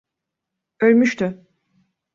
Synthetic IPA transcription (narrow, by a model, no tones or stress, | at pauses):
ølʲmyʃt̪ʰy